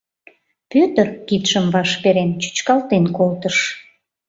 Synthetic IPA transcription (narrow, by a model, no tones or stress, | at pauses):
pøt̪ərkit̪ʃəmβɑʃpeɾent͡ɕy̥t͡ɕkɑlt̪enkolt̪əʃ